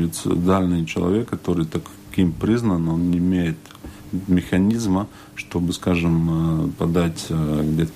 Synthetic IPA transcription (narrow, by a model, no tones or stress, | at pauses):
vʲɪt̪sʲɨ̰d̪alʲnɨjt͡ɕɪlˠɐ̰vʲe̞kːɐt̪o̞ɾɨjt̪ak | kʲimpɾʲiznəno̞nːʲɪɪmʲejɪt̪ | mʲɪxɐnʲizmə | ʂt̪o̞bɨskaʐɨmpɐd̪atʲɡdʲet̪ə